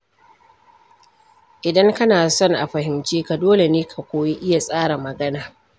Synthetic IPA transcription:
ʔɪ˨dɐ˦ŋkɐ˦naː˨sɔ˦ŋʔa̰˨ɸɐ˨hɪ˨mt͡ʃeː˦ka˨doː˦le˨neː˦kʰa˨kʷoː˦ji˦ʔɪ˦ja˨sʼaː˦ɽa˨mɐ˨ɡɐ˦naː˨

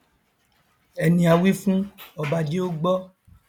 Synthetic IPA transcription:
ɛ˨nĩ˨a˨wi˦fũ˦ɔ˨ba˨d͡ʒe˦o˦ɡ͡bɔ˦

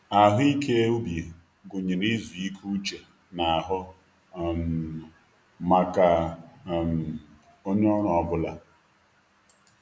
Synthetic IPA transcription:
a˨ɦʊ˦i˦kʰe˦ʊ˦bje˨ | ɡʊ˨ɲi˨ɾi˦zu˨i˦kʰu˦t͡ʃe˨ | na˨a˨ɦʊ˦ | m | ma˨ka˨ | m˨ | o˦ɲe˦ɔ˦ɾɔ˨ɔ˦bʊ˦la˦

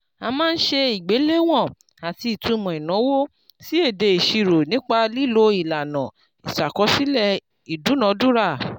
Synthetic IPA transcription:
a˧mãː˦˧n̩˦ʃe˧i˨ɡ͡be˨˦le˦w̃ɔ̃˦˨ | a˨ti˧i˨tũ˨˧mɔ̃˨i˨nã˨˦wo˦ | si˦e˦˨de˧i˨ʃi˧ɾo˨nĩ˨˦k͡pa˧li˦lo˧i˨la˨nã˨ | i˨sa˨kɔ˨˦si˦lɛ˦˨ | i˨du˨˦nã˨˦du˦ɾa˦˨

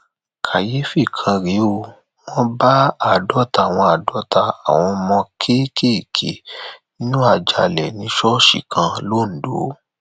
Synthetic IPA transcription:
kʰa˨je˨˦fi˦˨kʰã˧ɾe˨˦o˧ | w̃ɔ̃˦ba˦a˦˨dɔ˦ta˧˨w̃ɔ̃˧a˨dɔ˨˦ta˧a̰˨w̃ɔ̃˧mɔ̃˧kʰe˦kʰe˦i˨kʰḛ˨nĩ˦nũ˦a˦˨d͡ʒa˨lɛ˨nĩ˨˦ʃɔ˦ʃḭ˨kʰã˧lo˦˨n̩˨do˨˦

